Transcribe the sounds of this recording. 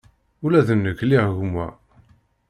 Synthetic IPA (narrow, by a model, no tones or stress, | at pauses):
ulæðənːəkːliʁʝumːæ̰